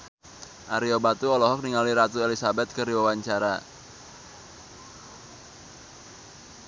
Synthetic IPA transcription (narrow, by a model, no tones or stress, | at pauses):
ʔaɾiobat̪uɔlɔɦɔk̚niŋaliɾat̪uelisabɛt̪̚kəɾiwawaɲt͡ʃaɾa̰